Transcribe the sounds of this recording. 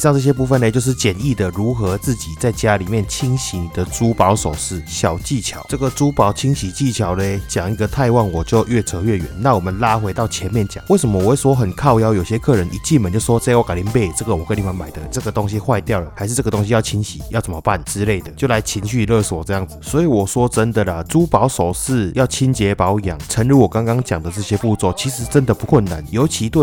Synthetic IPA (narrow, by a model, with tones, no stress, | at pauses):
ʂŋt͡sɤ˥˧ɕ̬jɛ˥pu˥˩fə˨ne˧˩t͡ɕjo˥˧ʂ̬ɻ̩˥˩t͡ɕjɛ˨˩ni˥˩d̪ə˩ɻu˧˥xɤ˧˥t͡sɹ̩˥˩t͡ɕi˨˩t͡sa˥˩ɪt͡ɕja˦li˨˩mjɛ˥˩nt͡ɕʰi˥ŋɕi˧˥ŋd̪ə˨ʈ͡ʂu˥pɑ˧˥ʊso˨˩ʊʂɻ̩˥˩ɕjɑ˨˩ʊt͡ɕi˥˩t͡ɕʰjɑ˧˦ʊʈ͡ʂɤ˥˩ɡə˨ʈ͡ʂu˥pɑ˨˥ʊt͡ɕʰi˥ŋɕi˨˩t͡ɕi˥˩t͡ɕʰjɑ˧˥ʊle˧˦ɪt͡ɕjɑ˨˩ŋi˧˥ɡə˨t̪ʰa˥˧ɪwɑ˥˩ŋwɔ˨˩t͡ɕjo˥˧ʊɥɛ˥˩t͡sʰɤ˧˥ɥɛ˥˩ɥɛ̰˨˦nna˥˩wɔ˨˩mə˦nla˥xwe˧˥ɪt̪ɑ˥˩ʊt͡ɕʰjɛ˧˦nmjɛ˥˧˨nt͡ɕjɑ̰˨˩ŋwe˥˩ɪsə˧˦mə˧wwe˥˩ʂwɔ˥xə˨˩nkʰɑ˥˧ʊjɑ˥ʊjo˨˩ʊɕjɛ˦˥kʰɤ˥˩ɻə˧˦nʔi˨t͡ɕi˥˧nmə˨˦t͡ɕo˥˧˩wɔ˥t͡sa˥˧˥ka˨˩li˧˥npe˥˩ɪʈ͡ʂɤ˥˩ɡə˩wɔ˨˩kə˥nli˨˩wa˧˥nma˨˩ɪd̪ə˦ʈ͡ʂɤ˥˩ɡə˩t̪o˥˦ŋɕi˧˦xwa˥˧ɪt̪jɑ˥˩ʊlə˨˩ha˧ɪʂ̬ɻ̩˥˧ʈ͡ʂɤ˥˩ɡə˩t̪o˥ŋɕi˧jɑ˥˩ʊt͡ɕʰi˥nɕi˨˩jɑ˥˩t͡sə˨˩mə˧˦pa˥˨nt͡sɻ̩˦˥le˥˩ɪd̪ə˩t͡ɕjo˥˩ʊla˧˦ɪt͡ɕʰi˧˥nɕy˥˧lɤ˥˧ʂ̩˨˩wɔ˨˩ʈ͡ʂɤ˥˧ja˥˩ŋd͡z̩˨˩swɔ˧˥i˨˦wɔ˨˩swɔ˦ʈ͡ʂə˦nd̪ə˨lə˨˩t͡su˥pɑ˧˥ʊso˨˩ʊʂɻ̩˥˩jɑ˥˩ʊt͡ɕʰi˥nt͡ɕjɛ˧˥pɑ˧˥ʊ˨ja̰˨˩˦ŋt͡sʰə˧˦nɻu˧˥wɔ˨˩ka˥ŋkɑ˥ŋt͡ɕja˨˩ŋd̪ə˦t͡sɤ˥˩ɕjɛ˥pu˥˧t͡sɔ˥˩t͡ɕʰi˧˥ʂɻ̩˧˥t͡sə˦nd̪ə˨pu˧˦kʰwə˥˨˩nːa˧˦njo˧˥ʊt͡ɕʰi˧˥t̪we˥˩